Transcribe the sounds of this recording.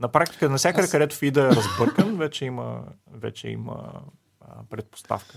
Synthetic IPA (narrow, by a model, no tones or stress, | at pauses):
nɐpɾak̚t̪i̥kənɐsʲjakəd̪əkɐd̪ɛt̪ʊ̥fid̪əɛɾɐzbɤɾkənvɛt͡ʃɛimə̰ | vɛ̰t͡ʃɛ̰ḭmə̰ | pɾɛt̪̚po̥st̪a̰fkə̥